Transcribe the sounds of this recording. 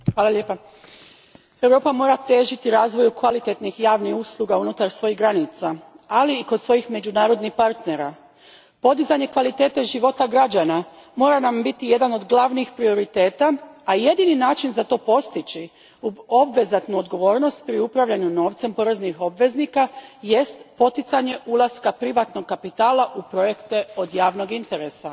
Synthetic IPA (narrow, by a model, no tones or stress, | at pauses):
xʋaːlaʎjepa | e̞wɾo̞ːpamo̞ɾat̪e̞ːʒit̪iɾaːzʋo̞jukʋalit̪e̞t̪nixjaːʋnixuslˠuɡaunut̪aɾsʋo̞jiɣɡɾanit̪sa | aliːko̞d̪sʋo̞jixme̞d͡ʑunaːɾo̞d̪nixpaɾt̪ne̞ɾa | po̞d̪izaɲe̞kʋalit̪e̞ːt̪e̞ʒiʋo̞t̪aɡɾad͡ʑana | mo̞ːɾanambit̪ije̞d̪ano̞d̪ɡlˠaʋniːxpɾio̞ɾit̪e̞ːt̪aaje̞d̪ininaːt͡ʃinzat̪o̞ːpo̞st̪it͡ɕi | uo̞bʋe̞zat̪nuod̪ɡo̞ʋo̞ːɾno̞st̪̚pɾiupɾaʋʎaɲuno̞ːʋt̪se̞mpo̞ɾe̞znixo̞bʋe̞znikaje̞st̪po̞t̪it̪saɲe̞ʔulˠaskapɾiʋat̪no̞ɡkːapit̪aːlˠaʔupɾo̞je̞kt̪e̞o̞d̪jaːʋno̞ɡint̪e̞ɾesa